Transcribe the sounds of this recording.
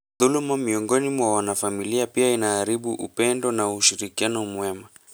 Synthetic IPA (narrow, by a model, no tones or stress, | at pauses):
ðulumamiɔŋɡɔnimwawanafamiliapiainaːɾiɓuʔṵpɛndɔnauʃiɾikianɔmwɛma